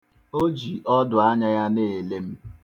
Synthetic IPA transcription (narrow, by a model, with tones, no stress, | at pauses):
o˦d͡ʒi˨ʔɔ˦dʊ˨a˦ɲa˦ja˦ne˨e˨le˦m̩˦